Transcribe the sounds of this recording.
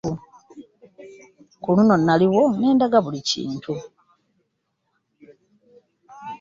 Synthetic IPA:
kuluno̞nːaliwo̞ne̞ːndaɡaβulicḭːntʰu

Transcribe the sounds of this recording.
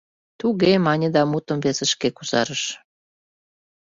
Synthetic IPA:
t̪uɣemɑnʲəd̪ɑmut̪ə̆mβesə̆ʃkekuzɑ̰ɾəʃ

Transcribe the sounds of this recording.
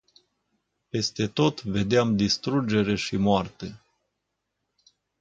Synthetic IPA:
pe̞st̪e̞t̪o̞t̪ve̞d̪eamd̪ist̪ɾud͡ʒe̞ɾe̞ʃimoart̪e

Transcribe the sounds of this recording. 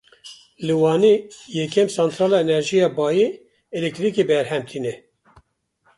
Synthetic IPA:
lɨwɑːniːjɛkɛmsɑnt̪ɾɑːlɑːenɛɾʒijɑːbɑːje | ɛlɛk̚t̪ɾikebɛɾhɛmt̪ʰiːnɛ

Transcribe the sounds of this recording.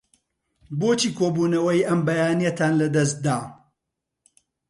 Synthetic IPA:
boːt͡ʃiːkʰoːbuːnɐwɐjʔɐmbɐjaːnijɐt̪ʰaːnlɐd̪ɐs̬̚d̪aː

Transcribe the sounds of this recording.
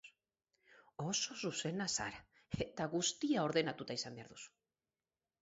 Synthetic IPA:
o̞so̞suse̞nasa̰ɾa | et̪aɣust̪iao̞ɾðe̞nat̪ut̪aisambeaɾðusu̥

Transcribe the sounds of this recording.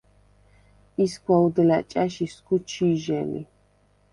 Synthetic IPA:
isɡʰʷwaud̪ɛlat͡ʃʼaʃiskut͡ʃʰiʒɛlḭ

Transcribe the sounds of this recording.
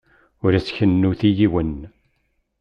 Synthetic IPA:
ʊɾæsçənːuθijiwən

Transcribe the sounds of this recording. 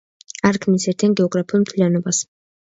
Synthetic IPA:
aɾkʰmisɛɾt̪ʰianɡɛɔɡɾapʰiulˠmt̪ʰlijanɔbas

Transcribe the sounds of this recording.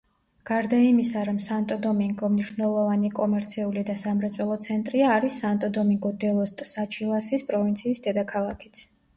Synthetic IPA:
ɡ̥aɾd̪aimisaɾamsant̪ʼɔd̪ɔmiŋɡɔmniʃvnɛlˠɔvanikʼɔmɛɾt̪sʰiulid̪asamɾɛt̪sʼɛlˠɔt̪sʰɛnt̪ʼɾiaːɾisːant̪ʼɔd̪ɔmiŋɡɔd̪ɛlˠɔst̪ʼsat͡ʃʰilˠasispʼɾɔvint̪sʰiːsd̪ɛd̪akʰalˠakʰi̥t̪sʰ

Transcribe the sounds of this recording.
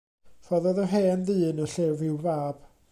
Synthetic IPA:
fɔðɔðɔɦɛːnðɨːnəɬeːvɪwvaːb̥

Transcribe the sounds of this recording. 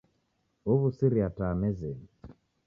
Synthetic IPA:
oβusiɾiataːmɛzɛ

